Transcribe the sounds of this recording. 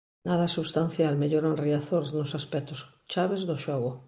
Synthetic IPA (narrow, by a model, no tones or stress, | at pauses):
naðasuβst̪an̟θjalmeʎoɾanriaθoɾznosaspɛt̪os | t͡ʃaβezðoʃɔɣo